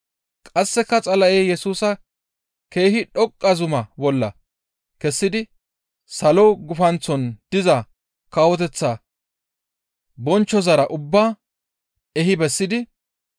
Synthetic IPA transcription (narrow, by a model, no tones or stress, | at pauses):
kʼɐsːɛkːɐt͡sʼɐlɐʔeːjɛsuːsɐ | ke̞ːɦɪᶑɔkʼːɐzʊmɐbɔlːɐ̰ | kɛsːɪd̪ɪ | sɐloɡʊfɐnt͡sːɔnd̪̥ɪzɐ | kaːwɔt̪ɛt͡sːa | bɔnt͡ʃːɔzɐɾɐʔʊbːaː | ɛɦɪbɛsːɪd̪ɪ